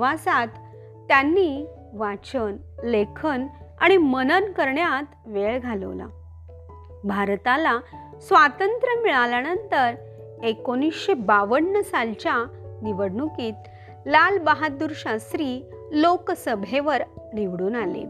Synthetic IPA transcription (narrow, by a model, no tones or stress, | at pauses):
ʋasat̪ː | janːi | ʋat͡ɕən | lekʰənaɽ̃imənənkəɾɳjat̪ʋeɭɡʱalə̰ʋla̰ | bʱaɾt̪ala | sʋat̪ənt̪ɾəmiɭaljanənt̪əɾ | ekonisɕebaʋəɳːəsalt͡ɕaniʋəɽɳukiːt̪ | lalbəɦad̪uɾɕast̪ɾiː | loksəbʱeʋəɾniʋɽuːnalḛ